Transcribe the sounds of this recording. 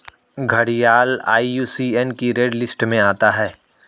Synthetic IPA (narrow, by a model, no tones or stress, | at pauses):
ɡʱɐɽijaːla̰ːijuːsiɛnkiɾeːɖlɪsʈmẽaːt̪aɦɛː